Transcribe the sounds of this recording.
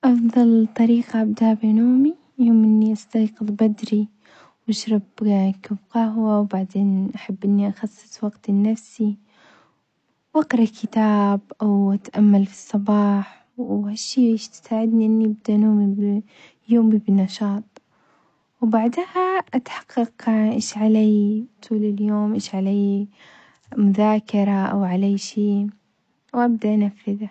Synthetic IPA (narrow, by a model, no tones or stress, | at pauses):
ʔɑfd̪ˤɑlt̪ˤːɑɾiːqaʔabd̪aabenoːmi | joːmʔɪnːiʔast̪ɑːqɨðˤbad̪ɾi | wʔaʃɾˤɑbkabqahwawbaʕd̪eːnʔaħabːʔɪnːiʔaxɑsˤːɨ̥sˤwɑɡt̪nːafsi | wʔɑqɾˤɑkɪt̪aːbʔawʔat̪ʔamːalfi̥sˤːɑbɑːħ | haʃːiːbeːʃt̪ɪ̥saːʕɪd̪niʔɪnːiɪb̚d̪aʔnuːmib | juːmibɪnːɑʃɑːt̪̚ˤ | wbaʕd̪haʔat̪ħɑ̥qːɑqʔeːʃʕaleːt̪ʰuːlɪljoːmʔeːʃʕaleː | mʊðaːkɑɾˤɑʔawʕalaːʃeː | wʔab̚d̪aʔanafːɪða